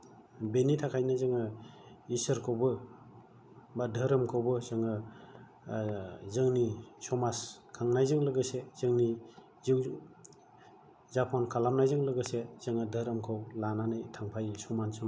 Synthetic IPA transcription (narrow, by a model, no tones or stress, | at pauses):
benitʰakʰajnɯzɯŋɯisɯɾkʰɯwbɯ | badʱɯɾɯmkʰɯwbɯzɯŋɯ | zɯŋnisɔmaskʰaŋnajzɯŋlɯɡɯsez̥ɯŋni | ziw | zapʰɔnkʰalamnajzɯŋlɯɡɯsez̥ɯŋɯdʱɯɾɯmkʰɯwlananajtʰaŋpʰajsɔmansɯm